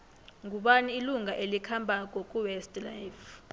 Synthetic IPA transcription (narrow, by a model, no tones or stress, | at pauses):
ŋɡʱuɓaniːluŋɡʱaʔelikʰambʱakʼɔkʼuwɛstlajf